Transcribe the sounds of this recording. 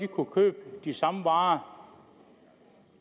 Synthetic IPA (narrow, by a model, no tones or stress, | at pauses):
ikʰukʰø̰ːb̥̚d̥isɑ̈məʋɑ̈ː